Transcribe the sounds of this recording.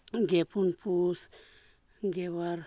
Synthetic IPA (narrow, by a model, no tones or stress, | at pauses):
ɡepunpus | ɡewaɾ